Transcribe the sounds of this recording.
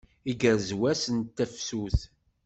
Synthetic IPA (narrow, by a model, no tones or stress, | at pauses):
iɡəɾzwæsənt̪ːæfsuθ